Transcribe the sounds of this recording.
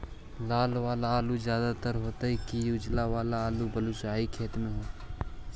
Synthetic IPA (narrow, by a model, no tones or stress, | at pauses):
laːlʋaːlaaːluzjaːd̪at̪əɾɦoːt̪aɦɛkijʊd͡ʒlaʋaːlaaːlubəluːsaːikʰeːt̪mẽɦoː